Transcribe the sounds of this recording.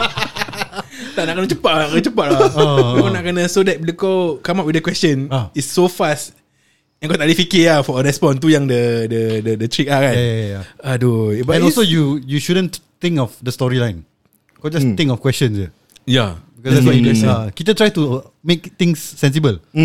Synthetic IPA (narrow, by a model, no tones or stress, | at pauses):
t̪aʔnaʔkənət͡ʃəpaʔ̚aət͡ʃəpaʔ̚lakonaʔkənə̃sodɛt̚blikokamap̚widəkwɛst͡ʃə̃naisːofast | ɛ̃nkɔt̪alifikiafɔəɾɛspɔ̃nt̪̬ujaŋdədədədət̪ɹik̚lakanjaadobaɛ̃nɔlsojujuʃudə̃nt̪ĩŋkɔfdəstɔɹilãj̃n | kɔd͡ʒast̪ĩŋkɔfkwɛst͡ʃə̃nsə | jabikɔsdɛtswaĩɡɛsakit̪ət̪ɹajtu | mek̚t̪ĩŋsːɛ̃nsibəl